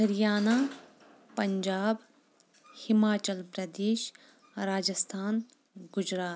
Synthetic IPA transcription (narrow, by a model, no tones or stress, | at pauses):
d̪ɐɾijaːnaː | pɐɲd͡ʒaːb | hɪmaːt͡ʃəlpɾɐd̪eːʃ | ɾaːd͡ʒəst̪ʰaːn | ɡʊd͡ʒɾaːt̪